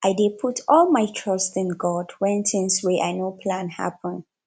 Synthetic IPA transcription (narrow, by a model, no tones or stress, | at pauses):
ʔaɪdepʰutʰɔlmaɪtʰɹ̥ʌstɪ̃nɡɔdwɛ̃ntʰɪ̃ŋswɛʔaɪnopʰlãnha̰pʰə̃n